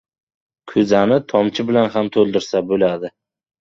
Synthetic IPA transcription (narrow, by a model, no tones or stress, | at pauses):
kʲʰɵzanɪt̪ʰɒmt͡ʃʰɪbɪlanɦamt̪ʰɵlˠd̪ɪɾsabɵlad̪ɪ